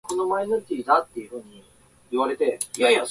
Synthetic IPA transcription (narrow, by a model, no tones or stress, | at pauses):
kʰo̞no̞mainoɾit̪ʲiːd̪at̪ːe̞jɯ̟ɸɯ̟ːɲ̟i | iβaɾe̞t̪e̞jaja